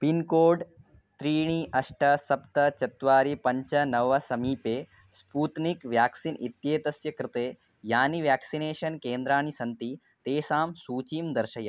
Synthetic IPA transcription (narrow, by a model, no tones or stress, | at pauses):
pinkoːɖ | t̪ɾiːɳ̃iʔɐʂʈʰɐsɐpt̪ɐt͡ʃɐt̪ʋaːɾipɐɲt͡ʃɐnɐʋɐsɐmiːpeː | spuːt̪nikʋjaːksinit̪jeːt̪ɐsjɐkɾɪt̪eː | jaːniʋjaːksineːʃɐnkeːnd̪ɾaːɳ̃isɐnt̪i | t̪eːsaːmsuːt͡ʃiːmd̪ɐɾʃɐjɐ